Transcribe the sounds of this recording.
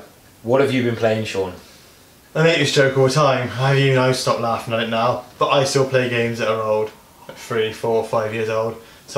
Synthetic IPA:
wɒtəvjəbĩnpʰl̥eɪɪ̃ŋʃɔːn | aɪmẽɪkəsd̥ʒ̥oʊkovətʰãɪ̃mavjənaʊstɒp̚tˡlaˑfɪ̃ŋənɪʔⁿnaʊb̥ʌtaɪstɪlˠpʰl̥eɪɡẽɪ̃mzəʔəɹoʊlˠd̥ | θɹifɔːɹəfaɪvjɪəzoʊlˠd̥ | so

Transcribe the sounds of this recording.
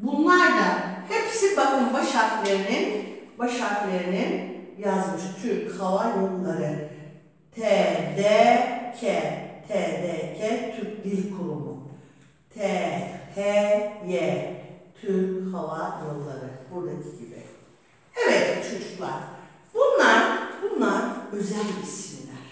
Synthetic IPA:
bunlˠaɾd̪ahepʰsibakʰɯnbaʃaklʲeɾininbaʃaklʲeɾininjazmɯʃt͡ʃʰyhavajolˠaɾɯ | t̪ʰɛːd̪ɛcʰɛt̪ʰɛːd̪ɛcʰɛt̪ʰyk̚d̪ilʲkʰuɾumṵ | t̪ʰɛhɛjɛt̪ʰyɾhavajolˠlˠa̰ɾɯbuɾd̪acʰiɟibḭ | evɛt̪t͡ʃʰo̞d͡ʒuklˠa̰ɾ̥ | bunlˠaɾbunlˠaɾø̞zælʲbisinlʲæɾ̥

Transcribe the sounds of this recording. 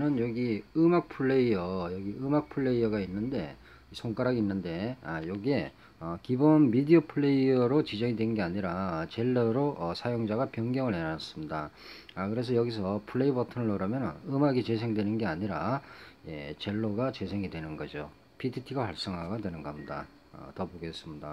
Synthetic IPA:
nɯnjʌɡiɯmak̚pʰuɭːe̞iʌjʌɡiɯmak̚pʰuɭːe̞iʌɡainːɯnde̞ | isʰoŋk͈aɾaɡinːɯnde̞ajʌɡie̞ | ʌkibonmidiʌpʰɯɭːe̞iʌɾot͡ɕid͡ʑʌŋidwe̞nɯnɡe̞aɲiɾat͡ɕe̞ɭːʌɾoʔʌsʰajoŋd͡ʑaɡapjʌŋɡjʌŋɯɭenanas͈ɯmɲida | akɯɾe̞s̬ʰʌjʌɡis̬ʰʌpʰuɭːe̞ibʌtʰɯnɯɭːoɾʌmjʌnɯnɯmaɡit͡ɕe̞sʰe̞ŋdwe̞nɯnɡe̞aɲiɾajḛt͡ɕe̞ɭːoɡat͡ɕe̞sʰe̞ŋidwe̞nɯnɡʌd͡ʑo | pitʰitʰiɡapaɭs͈ʌŋɦaɡadwe̞nɯnɡʌmɲida̰ | ʌ̰tʌboɡe̞s͈ɯmɲida̰

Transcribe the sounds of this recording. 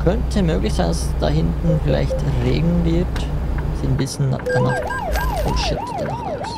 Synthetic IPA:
kʰœntʰəmøːɡlɪçsaɪndassd̥a̰ːhɪntn̩fɪla̰ɪçtʁḛːɡŋ̩vɪɐtsiːnbɪsçən̩a̰d̥anaχt | ɔlʃɪtd̥ɛnɔχʔa̰ls

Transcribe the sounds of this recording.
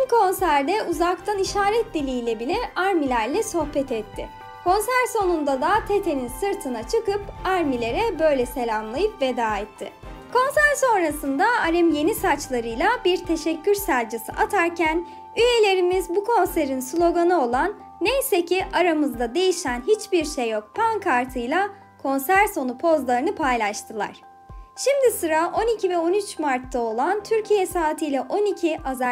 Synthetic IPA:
inkʰo̞nsæɾd̪ɛʔuzakt̪ʰaniʃaːɾɛt̪̚d̪ilʲijlʲɛbilʲɛaɾmilʲæɾlʲɛso̞hpɛt̪ʰɛt̪ʰːɪ̰ | kʰo̞nsæɾso̞nund̪ad̪at̪ʰet̪ʰe̞ninsɯɾt̪ʰɯnat͡ʃʰɯkɯpaɾmilʲe̞ɾɛbø̞jlʲɛse̞lʲamlˠajɯpve̞d̪aːɛt̪ʰːɪ̰ | kʰo̞nsæɾso̞nɾasɯnd̪aːɾɛmje̞nisat͡ʃlˠaɾɯjlˠabiɾt̪ʰe̞ʃɛcʰːyɾsæɾʲd͡ʒɯsɯ̰ʔat̪ʰaɾcʰæn | yje̞lʲe̞ɾimizbukʰo̞nseɾinslʲˠo̞ɡanao̞lˠanː | ejse̞cʰiʔaɾamɯzd̪ad̪e̞jiʃænɦit͡ʃbiɾʃejːo̞k̚pʰankʰaɾt̪ʰɯjlˠa | kʰo̞nsæɾso̞nupʰo̞zlˠaɾɯnɯpʰajlˠaʃt̪ʰɯlˠa̰ɾ̥ | ʃimd̪isɯɾaʔo̞nicʰivɛo̞nyt͡ʃmaɾt̪ʰːao̞lˠant̪ʰyɾcʰijɛsaːt̪ʰɯjlʲɛʔo̞nicʰiʔaza

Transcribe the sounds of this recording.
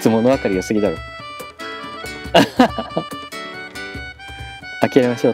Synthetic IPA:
t͡sɨmo̞noβakaɾʲiosɨɡʲid̪ao | akʲiaɾʲemaɕo̞ː

